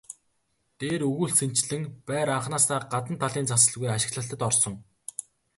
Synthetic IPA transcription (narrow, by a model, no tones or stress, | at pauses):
t̪eːɾɵɣuːɮsʰen̥t͡ɕɮɘ̆ŋpæːɾaɴχnaːst̪ʰaːɢat̪ə̆nt̪ʰaɮiːnt͡sʰasə̆ɮɣujaʃɪ̆kɮə̆ɬt̪ə̆t̪ɔrsɞ̆ŋ